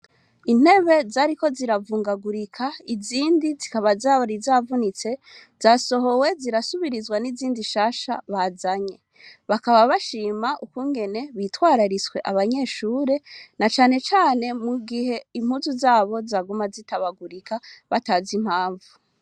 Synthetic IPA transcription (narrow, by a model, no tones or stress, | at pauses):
in̥he̞βe̞zaːɾiko̞ziɾavuːŋɡaɡuɾikʰaiziːndizikaβazaːβoɾizaːvunit͡se̞z̥aːso̞ɦo̞we̞ziɾasuβiɾizɡwaniziːndiʃaːʃa̰βaːzaɲe̞ | βakaβaβaʃiːmaʔukuːŋɡe̞ne̞βiːtwaːɾaɾit͡swe̞ʔaβaɲe̞ːʃuːɾe̞nat͡ʃaːne̞t͡ʃaːne̞muɡiɦe̞im̥huːzuzaːβo̞zaɡumazitaβaɡuɾikaβataːzim̥haːɱvu